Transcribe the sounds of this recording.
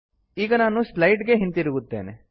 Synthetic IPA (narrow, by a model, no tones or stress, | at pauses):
iːɡɐnaːnuslɐjʈɡe̞ɦint̪iɾuɡut̪ːḛːnḛ